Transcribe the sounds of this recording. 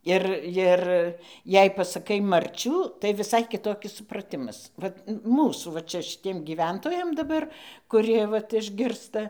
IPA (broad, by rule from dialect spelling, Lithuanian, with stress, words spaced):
ˈɪr jɪr jɛɪ pɐsɐˈkɐɪ mɐrʲˈt͡ʃʲuː tɐɪ ʋʲɪˈsɐɪ kʲɪˈtoːkʲɪs sʊprɐˈtʲɪmɐs ˈʋɐt ˈmuːsuː ʋɐ ˈt͡ʃʲɛ ʃʲɪˈtʲiɛm ɡʲiːˈʋʲɛntoːjɛm dɐˈbɐr kʊˈrʲiɛ ˈʋɐt ɪʒʲˈɡʲɪrstɐ